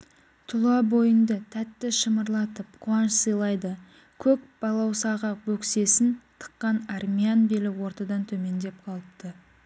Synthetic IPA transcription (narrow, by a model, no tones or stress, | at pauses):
t̪ʰʊlˠɑbo̞jənd̪ət̪ʰæt̪ːɪʃəməɾlˠɑt̪əpqʰuɑnʃsəjlˠɑjd̪ə | kʲʰɵk̚b̥ɑlˠɑwsɑʁɑbɵkse̞sɪnt̪ʰə̥qːɑnarmʲianbelɪwo̞ɾt̪ɑd̪ɑnt̪ʰɵme̞nd̪e̞p̚qʰɑlˠəpt̪ə